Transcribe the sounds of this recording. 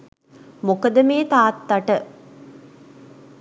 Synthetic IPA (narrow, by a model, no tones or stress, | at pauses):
mokəd̪əmeːt̪aːt̪ːaʈə